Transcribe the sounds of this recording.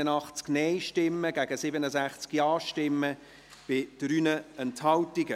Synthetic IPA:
ənɑχt͡sknɛɪʃtɪmːəɡ̥æɡ̥əsɪbənəsæχt͡skjɑːʃtɪmːə | b̥ɪd̥ɾyːnəɛnthɑltiɡə

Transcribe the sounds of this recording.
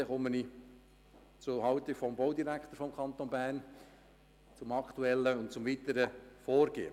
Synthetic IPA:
ɛχɔməni | t͡sʊɦɑʊt̪ɪfɔmboʊd̪iɾækʰt̪əɾfɔmkʰɑnt̪onbæːrn | t͡sʊmɑkt̪uɛlːəʊntt͡sʊmvit̪əɾəfoːɾɡ̥ḛːə

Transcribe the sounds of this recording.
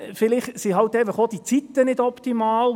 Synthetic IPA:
fɪlɪχsiɦɑlt̪efɑχod̥̪it͡sit̪ːənɪdɔpt̪imɑːl

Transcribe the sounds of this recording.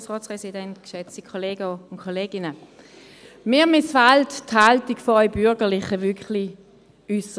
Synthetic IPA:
sʁɔːspʁɛsidɛntkʃɛt͡sikʰoleːɡəʊnkʰoleːɡɪnə | mɪːɐmɪsfaltthaltikfoœʏbʏʁɡəʁlɪχəvʏkχli | ysə

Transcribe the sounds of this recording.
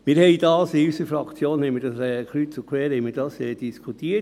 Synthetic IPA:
miːɾhɛɪd̥ɑːsɪysəɾfɾɑkt͡sjoːnhɛjmiːdɑsɛkʰlytt͡sukʰwɛːhɛɪmiːɾd̥ɑsɛd̥iskʰut̪iːə

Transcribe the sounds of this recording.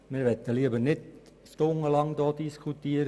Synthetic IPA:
mɪːɾʋɛt̪ːəliəbəɾnɪd | stʊŋːəlɑŋd̪ɔːdiskʰut̪ːiːəɾ

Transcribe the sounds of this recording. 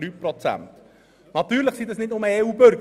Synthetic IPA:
ɾyprɔt͡sæ̰nt | nɑtyːɾləχsidɑsnɪtnʊməeuːbøɾɡ

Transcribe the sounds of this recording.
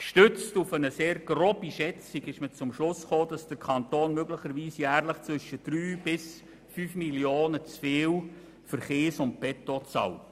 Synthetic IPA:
ʃtʏt͡stufənəseːɾɡ̥roːbiʃɛt͡siɡɪʃmət͡sʊmʃlʊsχoːd̥ɑsd̥əɾkʰɑnt̪oːnmøɡləχəɾʋiːsjæːɾləχt͡sʋʏʃəd̥ɾyːb̥ɪs | fyːfmiljoːnət͡sfeːw | fəɾχeːsʊnt̚pɛtot͡sɑ̰w

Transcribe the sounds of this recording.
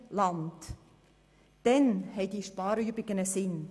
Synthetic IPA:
lɑnd | d̥ɛnhɛɪd̥iːʃpɑːɾybɪɡ̥ənəsɪn

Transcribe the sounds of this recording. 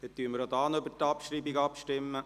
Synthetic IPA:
het̪tːyəməɾod̪ɑːnøbərtɑpʃribiɡɑpʃtɪmːə

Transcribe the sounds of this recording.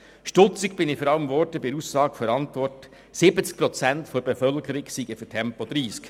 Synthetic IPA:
ʃtʊt͡sɪkb̥ɪnɪfɔɾɑləmvɔrtəbɪɾusːɑːɡfɔɾɑntʋɔrt | sɪbət͡sk̚pɾɔt͡sæntfɔɾb̥efœlkəɾɪksiɡəfytʰɛmpɔd̥̪ɾiːsk

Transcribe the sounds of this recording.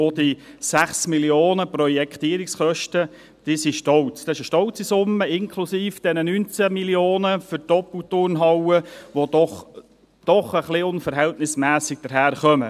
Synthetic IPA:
od̥̪isæχsmiljoːnəprɔjɛkχt̪iːəɾɪksχœʃtə | d̥isiʃtɔwt͡st̪ɑɪʃəʃtɔwt͡sisʊmːəɪŋkʰlusiːfd̥ɛnənyːnt͡sæmiljoːnəfʏɾd̥ɔpəlt̪ʊrnɦɑwəʋod̪ɔχ | d̥ɔχəχlɪʊnfəɾɦɛltnɪsmæːsɪɡ̥̚d̥̪əɾɦæːɾχœmə̰

